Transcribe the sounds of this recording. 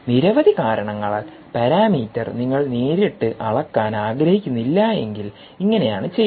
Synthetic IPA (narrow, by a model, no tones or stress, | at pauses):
niɾɐʋɐðikaːɾɐɳɐŋːɐɭaːl | pɐɾaːmiːtːɐrniŋːɐɭneːɾiʈːɨʔɐɭɐkːaːnaːɡɾɐhikʲːunːilːɐe̞ŋɡil | iŋːɐne̞jaːɳɨt͡ɕe̞j